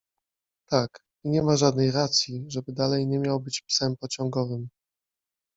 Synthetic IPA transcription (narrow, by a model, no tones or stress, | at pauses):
t̪ak | iɲɛmaʐad̪nɛjɾat̪sʲjiʐɛbɘd̪alɛjɲɛmʲjawbɘt͡ɕpsɛmpɔt͡ɕɔ̃ŋɡɔvɘm